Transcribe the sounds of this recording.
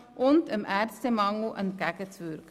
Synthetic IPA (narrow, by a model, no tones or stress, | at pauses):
ʔɔnt̪əmæːrst̪əmɑŋɡuʔənkækətsʋøɾk